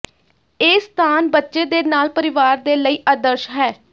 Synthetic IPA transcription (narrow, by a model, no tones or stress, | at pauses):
eːst̪ʰaːnbətːʃeːd̪eːnaːlpəɾɪʋaːɾd̪eːləiːʔad̪əɾʃɦɛː